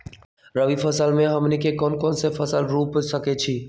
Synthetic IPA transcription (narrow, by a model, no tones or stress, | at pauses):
ɾəʋifʰɐsəlmẽɦɐmnikekɔːnkɔːnsefʰɐsəlɾuːpsɐket͡ʃʰiː